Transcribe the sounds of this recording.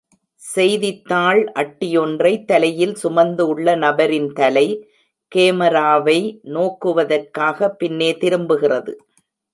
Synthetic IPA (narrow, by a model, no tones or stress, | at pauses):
sɛjðɪt̪ːaːɭʔɐʈːɪjɔndrɐɪt̪ːɐlɐjɪlsʊmɐnd̪ɯɭːɐnɐbɐɾɪnt̪ɐlɐɪ | keːmɐɾaːʋɐɪnoːkːɯʋɐðɐrkaːɣɐpːɪnːeːt̪ɪɾɯmbɯɣɪrɐðɯ